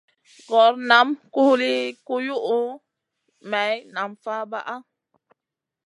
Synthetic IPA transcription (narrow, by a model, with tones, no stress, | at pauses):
ɡɔ˨˦ɾna˨˦mku˦hli˦ku˦ju˦ʔu˦ | mɛ˨˦jna˨mfa˦ba̰˦ʔa˦